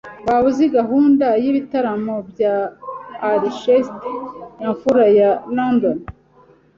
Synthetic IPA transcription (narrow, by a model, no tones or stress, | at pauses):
βaβuziɡaɦuːndajiβitaɾamobjaː | ɾiʃestjaɱfuɾajalondon